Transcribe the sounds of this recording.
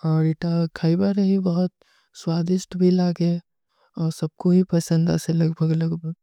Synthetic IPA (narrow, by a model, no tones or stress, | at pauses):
ɔːɾiʈakʰaːibaɾeɦibɐɦʊt̪̚ | swaːd̪ɪʃt̪bʱilaːɡe | ɔːɾsɐb̚kobʱipɐsə̃nd̪ɛːselɐɡbʱəɡɐlɐɡbʱəɡ